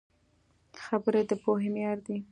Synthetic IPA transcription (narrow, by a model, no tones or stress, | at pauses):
xabəɾed̪əpoɦemjɑɾd̪i